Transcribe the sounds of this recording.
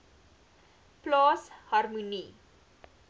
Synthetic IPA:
plɑːshɐrmuni

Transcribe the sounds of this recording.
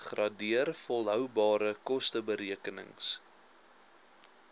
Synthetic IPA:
χrɑdiərfɔlˠɦœwbɑːɾəkɔstəbəɾiəkənə̰ŋs

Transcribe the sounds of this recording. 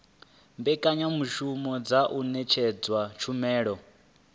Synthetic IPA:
mbɛkʼaɲamuʃumɔd͡zaʔunɛt͡ʃʰɛd͡zwat͡ʃʰumɛːɺɔ

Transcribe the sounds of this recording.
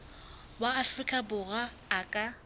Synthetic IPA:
baːfrikʼabʊɣaː | kʼa

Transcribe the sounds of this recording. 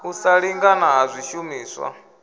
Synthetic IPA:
usaɺiŋɡanaɦazʷiʃumiːswa̰

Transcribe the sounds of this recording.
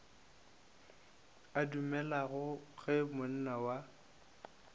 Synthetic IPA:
adumɛlaɣʊɣɛmʊn̩nawa

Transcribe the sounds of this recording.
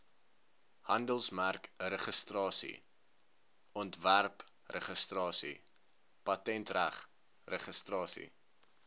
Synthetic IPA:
hɐndəlˠsmærkrəχəstrɑːsḭ | ɔntværp | rəχəstrɑːsḭ | pɐtɛntræχ | rəχəstrɑːsḭ

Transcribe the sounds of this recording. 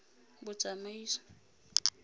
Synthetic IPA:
bʊt͡sʼamaiːsḁ

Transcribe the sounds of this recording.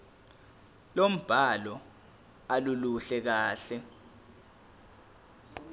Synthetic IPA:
lom̩b̥ʱalɔ | aluluɬɛk̬aːɬɛ

